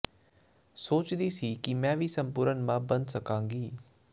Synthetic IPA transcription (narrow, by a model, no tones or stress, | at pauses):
soːt͡ʃd̪iːsiːkɪmɛ̃ːʋiːsəmpʊːɾənmãːbənd̪səkãːŋɡiː